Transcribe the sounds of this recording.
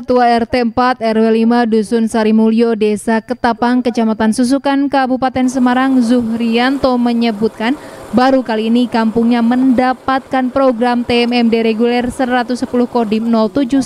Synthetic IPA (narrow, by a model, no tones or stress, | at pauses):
kət̪uaɛrt̪ɛəmpat̪ɛrwɛlimadusʊnsaɾimuliodɛsakət̪apaŋkət͡ʃamat̪ansus̬ukankabupat̪ɛnsəmaɾaŋzuhɾiant̪ɔməɲəbut̪̚kanbaɾukaliːnikampuŋɲaməndapat̪̚kanpɾoɡɾamt̪eɛmɛmdeɾeɡulɛrsəɾat̪usə̥pulʊhkodinɔlt̪ud͡ʒu